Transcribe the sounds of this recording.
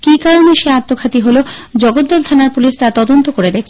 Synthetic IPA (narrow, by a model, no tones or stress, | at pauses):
kikaɾoneʃeat̪ːokʰat̪iɦolod͡ʑɔɡot̪̚d̪ɔlt̪ʰanaɾpuliʃt̪at̪ɔd̪ont̪okoɾed̪ek̚ʰt͡ɕʰe